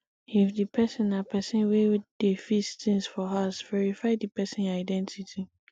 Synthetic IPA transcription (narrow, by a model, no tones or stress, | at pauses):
ifdipʰɛsɪ̃napʰɛsɪ̃nwewd̥efistʰĩŋsfɔɦasvɛɹifaɪdipʰɛsɪ̃naɪdɛ̃ntʰitʰi